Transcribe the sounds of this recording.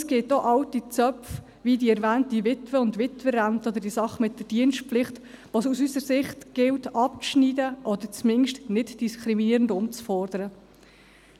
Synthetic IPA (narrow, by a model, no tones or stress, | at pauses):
sɡ̥ɪtoʔɑwtit͡sœpf | vidiɛɾvæːntdivɪtʋəʊndvɪtʋəɾæntəɔd̪əɾd̥isɑχːmɪt̚d̥əɾd̥iənstpflɪχtʋosusysəɾsɪχtɡ̥ɪltɑp̚t͡sʃniːdəʔɔd̪əɾt͡smɪŋʃtnɪtd̥iskʰɾiminiəɾəndʊmt͡sfɔɾdəɾə